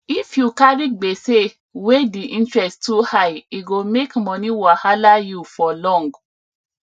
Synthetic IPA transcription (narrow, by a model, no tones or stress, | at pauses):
ifjukaɾiɡ͡bese | wediʔĩntɹɛsttuhajiɡomekmɔ̃nĩwɔhalajufɔlɔ̃ŋɡ